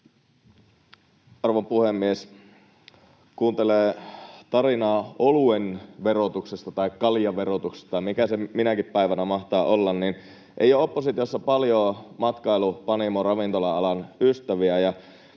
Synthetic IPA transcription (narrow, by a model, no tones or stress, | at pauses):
ɑrʋompuhemːies | kuːnt̪eleːt̪ɑrinɑːoluenʋero̞t̪uksest̪ɑt̪ɑikːɑljɑʋerot̪ukse̥st̪ɑmikæseminækippæiʋænæmɑht̪ɑːʔolːɑnnin | ʔḛjoopːosit̪iosːɑpɑljoːmɑt̪kɑilupɑnimorɑʋint̪o̞lɑɑlɑnyst̪æʋiæjɑ